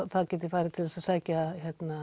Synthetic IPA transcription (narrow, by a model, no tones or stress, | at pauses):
θaðcɛːt̪ɪfaːjɾɪt̪ʰɪlɛsasaːcaçjɛt̪na